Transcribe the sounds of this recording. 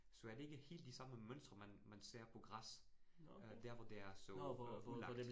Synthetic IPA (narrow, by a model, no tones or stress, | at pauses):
sɒ̽æɐde̝e̝ɡ̥əhe̝̰ːld̥isɑ̈məmøn̰sd̥ʁɐmænmænse̝̰ɐ̰pʰɒ̽ɡ̥ʁas | ød̥æɐ̰ʋɒd̥e̝æɐsɒulɑ̈ɡ